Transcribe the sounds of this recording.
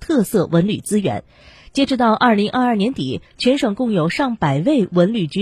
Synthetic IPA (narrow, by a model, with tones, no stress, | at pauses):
t̪ʰɤ˥˧sɤ˥˩wʔə˧˥nly˨˩t͡sɹ̩˥ɥɛ̰˧˥n | t͡ɕjɛ˥ʈ͡ʂɻ̩˥˧t̪ɑ˥˧ʊʔɐ˞˥˩li˧˥ŋʔɐ˞˥˧ɐ˞˥˩njɛ˧˥nt̪i˨˩˦t͡ɕʰɥɛ˧˥nʂɤ˨˩ŋkʊ˥˩ŋjo˨˩ʊʂɑ˥˩ŋpa˨˩ɪwe˥˩ɪwə˧˥nly˨˩t͡ɕy˧˥